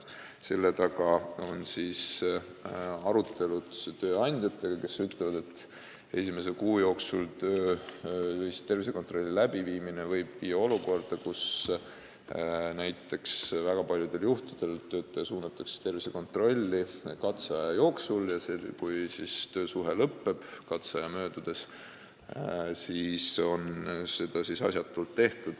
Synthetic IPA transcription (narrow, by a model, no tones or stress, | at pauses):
se̞lːet̪ɑɡɑo̞̰nsis | ɑɾut̪ːe̞lut̪t̪ø̞ːɑnʲd̥̪ʲjɑt̪ːˑe̞ɡ̥ɑke̞syt̪lævɑd̪̥e̞t̪ːˑ | e̞sʲime̞s̬ekuːjo̞ːksult̪øː | ist̪e̞rvis̬e̞ko̞nt̪ro̞lʲːilæbiviːminevɤjb̥kiːjːɑo̞luko̞rd̪̥ɑkus | næjt̪ːˑe̞ksvæɡ̥ɑpɑlʲjud̪̥e̞ljuht̪ud̪̥e̞lt̪øːt̪ːˑsuːnɑt̪ːˑɑkse̥t̪e̞rviseko̞nt̪ro̞lʲːikɑt̪sɑjɑjo̞ːksuljɑsekujsist̪øːsuɦelɤpːe̞b̥kɑt̪sɑjɑmø̞ːd̪̥ud̪̥e̞s | siːso̞nse̞d̪̥ɑsisɑ̰sʲjɑt̪ːˑult̪ːe̞ht̪ud̪̥